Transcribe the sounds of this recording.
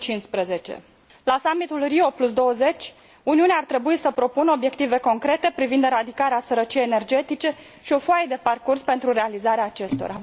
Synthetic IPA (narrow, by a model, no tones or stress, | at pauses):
t͡ʃinspɾəze̞t͡ʃe̞̰ | lasamit̪ulrio̞plusd̪o̞wəze̞t͡ʃʲ | uniuneart̪ɾe̞buisəpɾo̞punəo̞bje̞kt̪ive̞ko̞ŋkɾe̞t̪e̞pɾivind̪ɾad̪ikaɾeasəɾət͡ʃijejene̞rd͡ʒe̞t̪it͡ʃe̞ | ʃio̞foaed̪e̞parkurspe̞nt̪ɾuɾe̞alizaɾeaːt͡ʃe̞st̪o̞̰ɾa